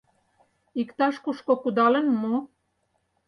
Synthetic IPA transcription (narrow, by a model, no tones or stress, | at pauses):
ikt̪ɑʃkuʃkokud̪ɑlə̆nmu